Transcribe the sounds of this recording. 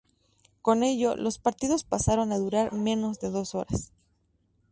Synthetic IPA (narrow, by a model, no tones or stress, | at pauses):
ko̞ne̞ʝo̞lo̞spaɾt̪iðo̞spasaɾo̞naðuɾaɾmẽ̞no̞zðe̞ðo̞so̞ɾas